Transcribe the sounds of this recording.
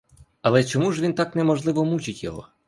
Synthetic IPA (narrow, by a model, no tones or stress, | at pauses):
ɐlˠɛt͡ʃɔmuʐʋʲint̪ɑknɛmɔʒlˠɪʋɔmut͡ʃɪtʲjɔ̰ɦɔ̰